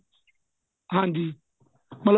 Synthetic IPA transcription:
ɦandi | mal

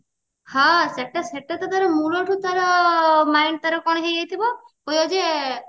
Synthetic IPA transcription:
hãseʈːaseʈːat̪ɔt̪aɾɔmuloʈʰut̪aɾɔmajɳɖt̪aɾɔkɔɽ̃ɦejɡejt̪ʰibɔ | kojɔd͡ʒe

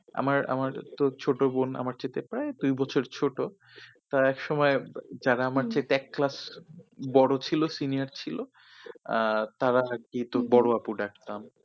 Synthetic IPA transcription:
a̰maɾa̰maɾt̪ot͡ɕʰoʈobona̰maɾt͡ɕet̪epɾaed̪ujbɔt͡ɕʰoɾt͡ɕʰoʈo | t̪aɾaɛkʃɔmɔed͡ʑaɾaamaɾt͡ɕet̪eɛkːlas | bɔɽot͡ɕʰilosinijaɾt͡ɕʰilo | t̪aɾaakit̪obɔɽoapuɖak̚ʰt̪am

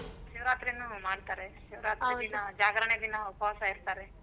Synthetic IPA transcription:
ʃiʋɾaːt̪ɾinumaːɽt̪aːɾeʃiʋɾaːt̪ɾid̪inɐd͡ʒaːɡɾɐɳed̪inɐupɐʋaːsɐiɾt̪aːɾe

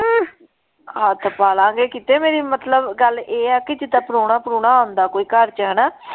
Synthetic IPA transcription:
at̪ʰəpaːlãːɡeːkiːt̪eːmeːɾiːmət̪ləbɡəlʔeːɛːkɪd͡ʒɪt̪aːpəɾoːɽ̃aːpəɾuːɽ̃aːõnd̪aːkoːiːkəɾt͡ʃəɦəːnaː

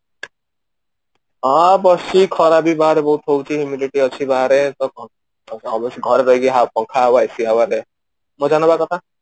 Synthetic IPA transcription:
ɦãbʌsikʰɔɾabibaɾebɔɦut̪ɦot͡ʃʰiɦumiɖiʈiʌt͡ʃʰibaɾet̪ɔ | ɔbɔsɡʱɔɾɾɔɦiɡiɦapɔ̃ŋkʰaɦawaesiɦawaɾe | mɔd͡ʒanɔbakɔt̪ʰa

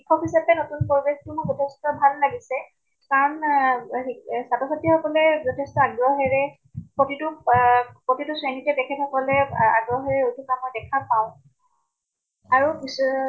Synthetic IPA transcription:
ikʰɔpʰisabɛnotunpɔɹbestʊmɔɡɔtʰestɔbʱalːaɡisɛ | kaɹɔn | satɔsʰatixɔkɔlɛzɔtʰestɔaɡɹɔɦɛɹɛ | potitʊ | pɹotituswenitɛbɛkʰɛtxɔkɔlɛa̰ɡɹɔɦɛɹɛutʰukamɔjdɛkʰapaʊ̃ | aɹupis

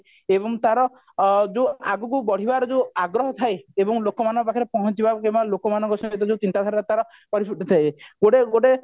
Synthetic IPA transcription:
ebɔŋt̪aɾɔ | d͡ʒeaɡukubɔɽ̤ibaɾɔd͡ʒewaɡɾɔɦɔt̪ʰajebɔŋlokɔmanɔ̃ŋkɔpakʰiɾepɔɦɔt͡ʃibakebalokɔmanɔŋkɔsɔɔt̪ɔd͡ʒewt͡ʃint̪ad̪ʰʱaɾɾet̪aɾɔ | pɔɾipʰuʈit̪ʰajɡoɖeɡoɖe

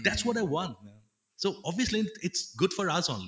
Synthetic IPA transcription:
d̪æʈsʋɔʈaɪʋɔ̃nʈ̚ | soɔbʋiəsliɪʈsɡʊɖfɔɾʌsõnli

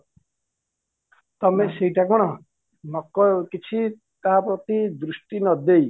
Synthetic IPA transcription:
t̪ɔmeseiʈakɔɽ̃ɔ | nɔkɔkit͡ʃʰi | t̪aɦapɾɔt̪id̪ɾusʈinɔd̪ej

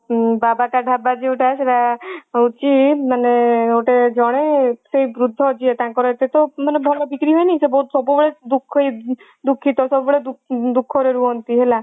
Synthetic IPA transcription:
babakaɖʱabad͡ʒiuʈʰaseɾaut͡ʃimaneoʈed͡ʒɔɽ̃esebɾud̪ʱːɔd͡ʒʰiet̪ãŋkɔɾɔet̪et̪ɔmanebʱɔlɔbikɾiɦɔjniĩsebɔut̪sɔbubɔɽed̪ukʰːɔj | d̪ukʰːit̪ɔsɔbɔbɔɽed̪ud̪ukʰːɔɾeɾuɦɔnt̪iɦela

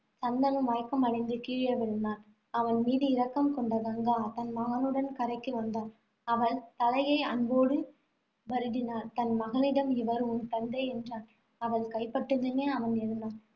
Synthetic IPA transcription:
sɐnd̪ɐnɯmʋaːjkːɐmɐɽɐɪnd̪ɯkiːɻjɐʋɪɻɯnd̪aːn | ɐʋɐnmiːðɯɪɾɐkːɐmkɔɳɖɐɡɐŋɡaːt̪ɐnmɐɣɐɭɯɽɐnkɐɾɐɪkːɯʋɐnd̪aːn | ɐʋɐɭt̪ɐlɐjɐɪɐnboːɽɯ | bɐɾɯɽɪnaːɾt̪ɐnmɐɣɐlɪɽɐmɪʋɐɾɯʊnt̪ɐnd̪ɐɪɛndraːn | ɐʋɐɭkɐɪpɐʈːɯŋɡ̪ɐneːɐʋɐnɛɾɯnd̪aːn

